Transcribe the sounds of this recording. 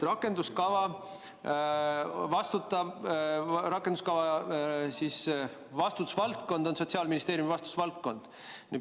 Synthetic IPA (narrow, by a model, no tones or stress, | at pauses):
rɑkːˑe̞nd̪uskɑvɑ | vɑst̪ut̪ːˑɑ | ɾɑkːˑend̪uskɑvɑsis | vɑst̪ut̪u̥svɑlt̪ko̞nd̪̥o̞nso̞tsiɑːlminist̪eːɾjumivɑst̪u̥t̪ːsvɑlt̪̚ko̞nd̪̥ | ni